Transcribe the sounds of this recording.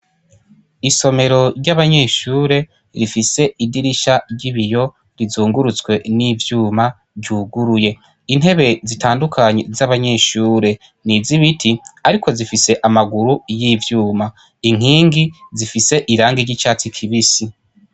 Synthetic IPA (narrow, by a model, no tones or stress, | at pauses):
iso̞me̞ɾo̞ɾɟaβaɲe̞ːʃuːɾe̞ | ɾifise̞ʔidiɾiʃaɾɟiβijo̞ | ɾizuːŋɡuɾut͡skwe̞nivjuːma | vɟuːɡuɾuje̞ | in̥he̞βe̞zitaːndukʰaɲe̞zaβaɲe̞ːʃuːɾe̞ | niziβitʰiaɾikʰo̞zifise̞ʔamaɡuɾujiːvjuːma | iŋ̥iːŋɡizifise̞ʔiɾaːŋɡiɾɟit͡ʃaːt͡sikʰiβisi